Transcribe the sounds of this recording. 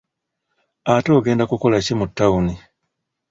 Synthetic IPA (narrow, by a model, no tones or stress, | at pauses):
ato̞ːɡe̞ːndakuko̞lacimutːauni